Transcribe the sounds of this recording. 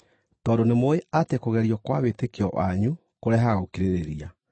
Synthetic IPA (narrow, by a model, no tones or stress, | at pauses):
tɔːdonemoeʔatekoɣɛɾiɔkwawetekeɔwa̰ɲu | koɾeaɦaɣokiɾeɾeɾia